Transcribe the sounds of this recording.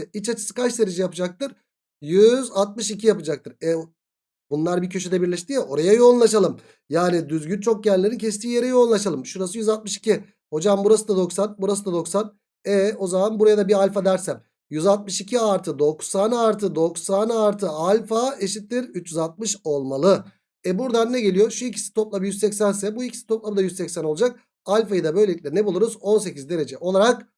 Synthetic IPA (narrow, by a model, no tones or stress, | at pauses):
it͡ʃat͡ʃʰɯ̥sɯ̥kat͡ʃd̪eɾed͡ʒijapɯd͡ʒak̚t̪ɯɾ̥ | jyzat̪̚mɯʃicʰijapɯd͡ʒak̚t̪ʰɯɾɛ | bunlˠaɾbicʰø̞ʃyd̪ɛbiɾlʲɛʃt̪ijaʔo̞ɾajajo̞lˠnlˠaʃalˠɯm | jaːnid̪yzɟynt͡ʃʰo̞k̚ɟænlʲeɾincʰɛst̪ʰiːje̞ɾɛjo̞lˠnlˠaʃalˠɯmʃuɾasɯjyzat̪̚mɯʃi̥cʰi | ho̞d͡ʒambuɾasɯd̪ad̪o̞ksanbuɾas̬ɯd̪ad̪o̞ksan | ɛo̞zamanbuɾajad̪abialʲfad̪æɾsæm | jyzat̪̚mɯʃicʰiaɾt̪ʰɯd̪o̞ksanaɾt̪ʰɯd̪o̞ksanaɾt̪ʰɯalʲfaeʃit̪lːʲiɾyt͡ʃjyzat̪̚mɯʃo̞lˠmalˠɯ | ɛbuɾd̪anːɛɟe̞lʲijo̞ʃuicʰi̥si̥t̪ʰo̞plˠabɯjyzsɛcsænsɛbuicʰi̥si̥t̪ʰo̞plˠamɯd̪ajyzsɛcsænolˠd͡ʒak̚ | alʲfajɯd̪abø̞jlʲeicʲlʲɛnɛbulˠuɾuzo̞nse̞cizd̪e̞ɾe̞d͡ʒɛʔo̞lˠaɾak